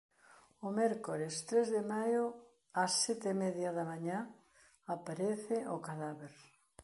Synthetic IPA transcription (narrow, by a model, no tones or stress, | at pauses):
omɛɾkoɾest̪ɾezðemajo | asːɛt̪emɛðjaðamaɲa | apaɾeθɪʔokaðaβeɾ